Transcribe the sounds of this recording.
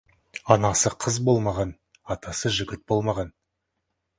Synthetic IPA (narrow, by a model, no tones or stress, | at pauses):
ɑnɑsəqʰəzbo̞lˠmɑʁɑn | ɑt̪ɑsəʒʏɡʲɪt̪̚bo̞lˠmɑʁɑn